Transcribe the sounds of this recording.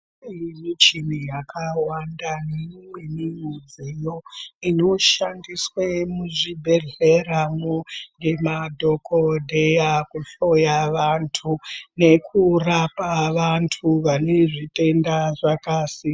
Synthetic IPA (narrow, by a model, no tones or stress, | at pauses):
imit͡ʃinijakawandanemwemiŋud͡zejoino̞ʃandiswemuʐibʱe̞ɮeraŋoŋɡe̞madʱo̞kodʱejakuɬo̞jaʋantʰune̞kʰurapaʋantʰuʋane̞ʐite̞ndaʐakasi